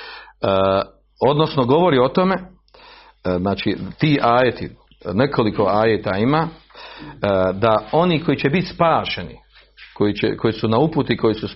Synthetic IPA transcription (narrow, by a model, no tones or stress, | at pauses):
ə | od̪no̞snoɡo̞ʋo̞ɾio̞t̪o̞me̞ | znaːt͡ʃit̪iːʔaːjet̪ḭ | ne̞kʰo̞liko̞aːjeːt̪aima | d̪ao̞niːko̞jit͡ɕe̞bit̪spaːʃenḭ | kojit͡ɕḛkʰo̞jisunauput̪ikʰo̞jisus